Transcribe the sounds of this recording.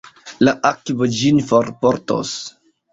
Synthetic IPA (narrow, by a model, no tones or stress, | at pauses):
laʔakbod͡ʒinfoɾpoɾto̰s